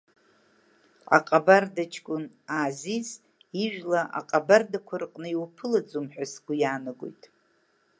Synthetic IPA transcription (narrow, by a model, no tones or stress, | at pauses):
a̰qʼabardat͡ʃʰkʷʼʊn | aːziz | iʒᶣlaʔa̰qʼabardakʷʰarqʼnɨiwpʰɨlad͡zumħʷᶣasɡʷujaːnɨɡo̰jtʼ